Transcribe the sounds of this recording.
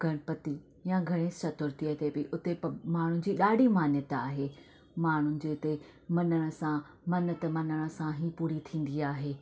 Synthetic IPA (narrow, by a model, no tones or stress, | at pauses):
ɡʱɐɽ̃əpɐt̪i | jãɡʱɐɽ̃ẽsɐt̪ʊɾt̪iət̪ebɪʔʊt̪epɐmaːɳ̤ʊnɪ̆d͡ʑiːɗaːɖʱimaːnjət̪aːɦeː | maːɳ̤ʊnɪ̆d͡ʑeːt̪e | mɐnəɽ̃ə̆sã | mɐnət̪mɐnəɽ̃ə̆sãɦipuːɾit̪ʰĩːn̆d̪iaːɦeː